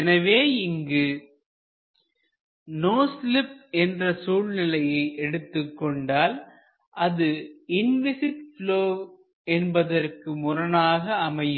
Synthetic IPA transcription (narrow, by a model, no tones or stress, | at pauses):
ɛnɐʋeːɪŋɡɯ | noːslɪp̚ɛndrɐsuːlnɪlɐjɐɪʔɛɽɯt̪ːɯkːɔɳɖaːl | ʔɐðɯɪnʋɪsɪʈ̚floː | ɛnbɐðɐrkɯmʊrɐnaːɣɐɐmɐjɯ